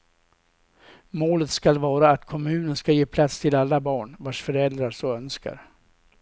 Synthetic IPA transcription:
moːlət̪skalvɑːɾaːt̪kʰɔmʉ̟ːnənskajeːpʰlat̪st̪ʰɪlalːabɑːɳvaʂfœɾɛld̪ɾaʂɔœnska̰ɾ

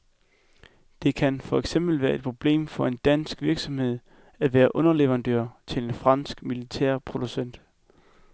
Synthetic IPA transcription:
d̥e̝kʰænfɒ̽eɡ̥sem̰b̥l̩ʋæːɐe̝d̥̚pʰʁo̝b̥le̝̰ːmfɒ̽e̝nd̥æn̰sɡ̥ʋiɐɡ̥sɒ̽mhe̝ð̞̰ˠ | æʋæːɐʔɔ̽nɐleʋɐʁɑ̈nd̥ø̰ːɐ̰t͡sʰe̝lenfʁɑ̈n̰sɡ̥milit͡sʰæ̰ɐ̰pʰʁo̝d̥usen̰d̥

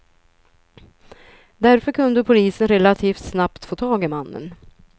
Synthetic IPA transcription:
d̪æɾfœɾkʰɵnd̪əpʰʊliːsənɾɛlat̪ʰiːft̪snapt̪foːt̪ʰɑːɡɪmanːə̰n

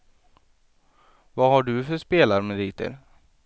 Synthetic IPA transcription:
vahaɖɵfœʂpeːlaɾmɛd̪iːt̪ə̰ɾ

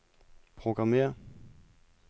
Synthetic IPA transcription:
pʰʁoɡ̥ʁɑmḛːɐ

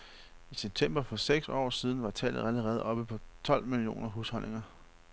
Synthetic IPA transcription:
iseb̥̚t͡sʰem̰b̥ɐfɒ̽seɡ̥sɒ̰ːsið̞ˠn̩ʋɑ̈t͡sʰɛ̰ːlð̩ˠæləʁɛːð̩ˠɒ̽b̥əpʰɒ̽t͡sʰɒ̽l̰milio̝̰ːnɐɦushɒ̽n̰ʔe̝ŋɐ

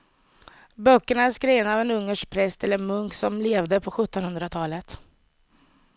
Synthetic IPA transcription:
bœkːəɳaæʂkɾeːvənaːvɛnɵŋːəʂkpʰɾɛst̪ɛlːəmɵŋksɔmleːvd̪əpʰɔɧɵt̪ːɔnhɵnd̪ɾat̪ʰɑːlət̪

